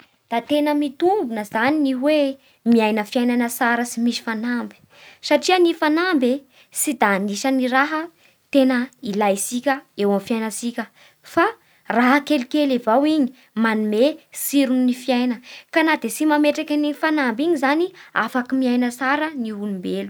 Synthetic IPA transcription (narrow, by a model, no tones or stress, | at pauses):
d̪̥at̪enəmit̪umbunəzaniniwe | miajnəfiajnanəsaɾəsimisi̥fanambi̥ | saʈ͡ʂiənifanambe | sid̪aːniʃəniɾaɦə | t̪enəilajsikʲəewamifjajnəsikʲə | fa | raɦəkelikelevawiɲi̥ | manumesiɾuninifiajnəkanad̪esimameʈ͡ʂakʲanifanambiɲizania̰fakimiajnəsaɾəniɦulumbelu̥